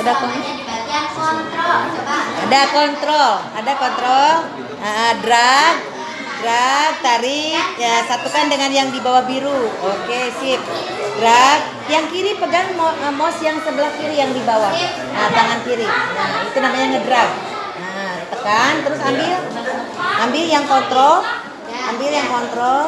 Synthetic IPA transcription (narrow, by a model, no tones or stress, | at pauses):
sadahkɔŋa | ɔnt̪ɾɔaadakɔnt̪ɾɔladakɔnt̪ɾɔl | əʔədɾak̚ | dɾak̚t̪aɾɪkəsat̪ukandəŋanjaŋdibawahbiɾuokesɪp̚ | dɾak̚ | jaŋkiɾipəɡaŋmɔəmɔsjaŋsəbəlahkiɾijaŋdibawah | ʔət̪aŋankiɾɪnahit̪unamaɲaŋədɾak̚ | əʔət̪əkant̪əɾʊsambɪl | ʔambɪljaŋkɔnt̪ɾɔl | ambɪljaŋkɔnt̪ɾɔl